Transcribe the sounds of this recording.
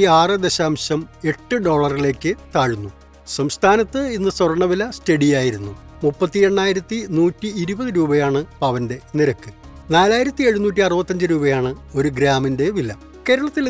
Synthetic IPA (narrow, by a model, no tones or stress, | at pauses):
iaːrɨd̪e̞ɕaːmɕɐme̞ʈːɨɖo̞ːɭɐrile̞ːkːɨt̪aːɻunːu | sɐmst̪ʰaːnɐt̪ːɨinːɨswɐrɐɳɐʋilɐstɐɽijaːjiɾunːumupːɐt̪ːie̞ɳːaːjiɾɐt̪ːinuːtːiːɾubɐðɨɾuːbɐjaːɳɨpɐʋɐnde̞niɾɐkːɨ | naːlaːjiɾɐt̪ːie̞ɻunuːtːiɐrɨbɐt̪ːɐɲd͡ʑɨɾuːbɐjaːɳɨo̞ɾuɡɾaːminde̞ʋilːɐ | ke̞ːɾɐɭɐt̪ːil